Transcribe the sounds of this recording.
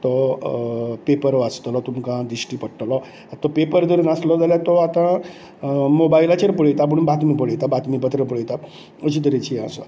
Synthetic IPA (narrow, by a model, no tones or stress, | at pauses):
t̪ɔ | pepəɾʋast̪lɔt̪umkãd̪ɾisʈipəɽʈlɔ | t̪ɔpepəɾd̪əɾunaslɔd͡zaljat̪ɔat̪ã | mobailat͡ɕeɾpəɽəjt̪ap̬əɳbat̪mip̬əɽəjt̪abat̪mipət̪ɾep̬əɽəjt̪a | əɕit̪̬əɾet͡ɕia̰sɔ̰